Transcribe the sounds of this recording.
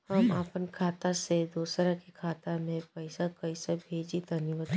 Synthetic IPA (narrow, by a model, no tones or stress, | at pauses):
hɐmapənkʰaːt̪ased̪oːsɾakikʰaːt̪amẽpɐɪsakɐisabʱeːd͡ʒit̪ɐniʋət̪